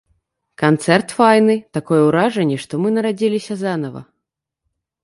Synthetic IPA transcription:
kant̪sɛrt̪fajnɨt̪akɔjɛwɾaʐɐnʲːɛʂt̪ɔmɨnɐɾad͡zʲilʲisʲɐzanɐvɐ̰

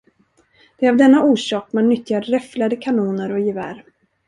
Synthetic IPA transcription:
d̪̥ɛavd̪ɛnːaʔuːʂɑːkmanːʏt̪ːjaɾɾɛflad̪əkʰanuːnəɾɔjɪvæ̰ːɾ

